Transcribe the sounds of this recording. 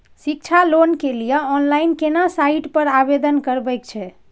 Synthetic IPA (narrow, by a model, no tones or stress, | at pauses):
sik̚t͡ʃʰalonkelijɛɔnlainkenasaiʈpəɾabed̪ənkəɾbɛjk̚t͡ʃʰɛ